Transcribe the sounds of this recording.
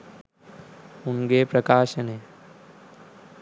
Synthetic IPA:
unɡeːpɾɐkaːʃəneː

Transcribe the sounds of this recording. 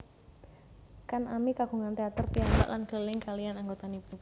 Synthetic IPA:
kanʔamikaɡ̥uŋant̪eat̪ərpianba̰ʔlanɡ̥əlɪŋkalianaŋɡot̪anipu

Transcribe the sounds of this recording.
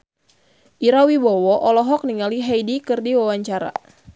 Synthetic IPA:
ʔiɾawibɔwɔʔɔlɔɦɔk̚niŋaliɦajdikɨrdiwawaɲt͡ʃaɾa̰

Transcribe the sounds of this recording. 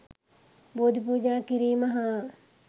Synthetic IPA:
boːd̪ʱpuːd͡ʒaːkiɾiːmɐɦaː

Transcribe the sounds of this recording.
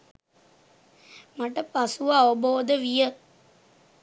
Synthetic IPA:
maʈəpasuʋaːʋəboːd̪əʋijə

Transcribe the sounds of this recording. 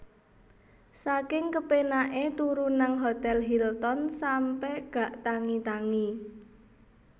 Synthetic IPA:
sakɪŋkəpenaʔet̪uɾunaŋɦot̪ɛlɦilt̪ɔnsampɛɡ̥ä̤ʔt̪aŋit̪aŋi

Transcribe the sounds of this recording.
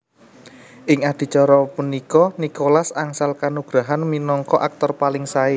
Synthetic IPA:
ʔɪŋad̪̥i̤t͡ʃɔɾɔpunikɔnikolasaŋsalkanuɡ̥ɾaɦanminɔŋkɔʔak̚t̪ɔrpalɪŋsaɪ

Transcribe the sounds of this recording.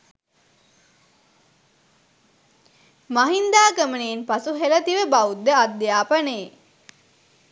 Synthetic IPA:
maɦind̪aːkəməneːnpasuɦelɐt̪iʋəbaud̪ːəad̪ːjaːpɐneː

